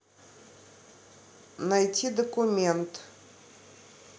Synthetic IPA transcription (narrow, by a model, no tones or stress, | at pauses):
nɐjtʲid̪əkʊmʲent̪